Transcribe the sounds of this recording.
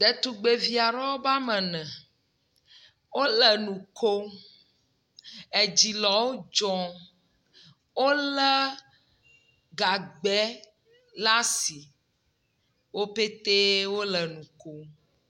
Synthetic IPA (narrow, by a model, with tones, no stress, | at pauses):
d̪ɛ˨t̪u˨ɡ͡be˨vi˨a˨ɾɔ˦wo˦ba˦mɛ̃˨nɛ̃˨ | wo˦lɛ˨nũ˨kʰo˦ | e˨d͡ʑi˨lɔ˨wo˦d͡ʒɔ̃˦ | wo˦lɛ˦ | ɡa˨ɡ͡bɛ˦ | la˦si˨ | wo˦pe˦t̪e˦wo˦lɛ˨nũ˨ko˦